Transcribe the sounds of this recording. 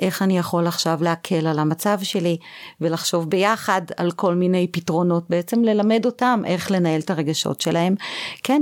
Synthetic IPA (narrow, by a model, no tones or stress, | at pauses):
ʔe̞χanijaχo̞laχʃavleakʰe̞lalamat͡savʃe̞live̞laχʃo̞vbe̞jaχada̰lko̞lmine̞jpitʁo̞no̞t̚beet͡se̞mle̞lame̞do̞tamʔe̞χle̞nae̞ltaʁe̞ɡaʃo̞̰tʃelahe̞mken